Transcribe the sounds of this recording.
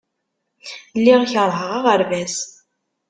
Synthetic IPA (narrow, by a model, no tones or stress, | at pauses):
lːiʁçəɾˤɦəʁɑʁəɾvæs